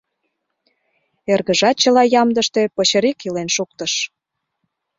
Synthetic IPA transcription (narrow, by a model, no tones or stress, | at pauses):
erɣəʒɑt̪̚t͡ɕəlɑjɑmd̪əʃt̪epəɕəɾikilenʃuk̚t̪əʃ